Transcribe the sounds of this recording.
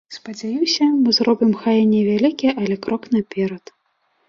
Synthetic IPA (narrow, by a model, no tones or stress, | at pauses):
spɐd͡zʲajiwsʲɐmɨzɾɔbʲimxajɛnʲɛvʲalʲikʲijɛʔɐlʲɛkɾɔknɐpʲɛɾɐt̪